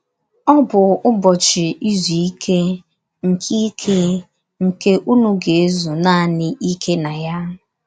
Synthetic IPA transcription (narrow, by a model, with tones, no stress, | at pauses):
ɔ˦bʊ˨ʊ˦bɔ˨t͡ʃɪ˨i˦zu˨i˦kʰe˦ | ŋ̩˨kʰi˦kʰe˦ | ŋ̩˨ke˦ʔu˦nu˦ɡe˨e˦zu˨na˦a˨nɪ˦ʔi˦kʰe˦na˨ja˦